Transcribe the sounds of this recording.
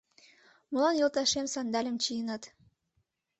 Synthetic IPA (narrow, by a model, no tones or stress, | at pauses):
mɤ̆lɑnjolˠt̪ɑʃemsɑnd̪ɑlʲə̆mt͡ɕijənɑt̪